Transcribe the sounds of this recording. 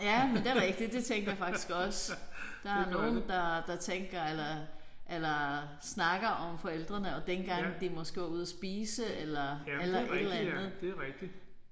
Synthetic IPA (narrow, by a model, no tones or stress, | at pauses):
jæmend̥e̝æʁɛɡ̥̚d̥idd̥e̝t͡sʰeŋ̰ɡɐjɑfɑ̈ɡ̥isɡ̥ɒ̽sd̥ɑ̈æɐno̝ːn̩d̥ɑ̈d̥ɑ̈t͡sʰeŋɡ̥ɐelɐ | ʔelɐ | snɑ̈ɡ̥ɐʔɒ̽mfɒ̽el̰d̥ʁɐnəɒ̽d̥enɡ̥ɑ̈ŋ̰d̥imɒ̽sɡ̥ɔuð̞ˠɐsb̥iːsəelɐællɐʔe̥l̩ˠænnð̩ˠdɡ̥̚d̥i